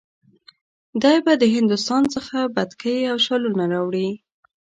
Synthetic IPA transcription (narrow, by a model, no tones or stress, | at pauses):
d̪ɑjbad̪əɦɪnd̪ʊst̪ɑnt͡səxabad̪kəjawʃalunaɾɑwɽi